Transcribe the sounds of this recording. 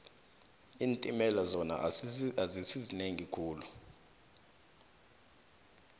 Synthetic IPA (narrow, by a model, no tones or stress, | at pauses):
iːntʼimɛlazɔna̰zisizineŋikʰuːlu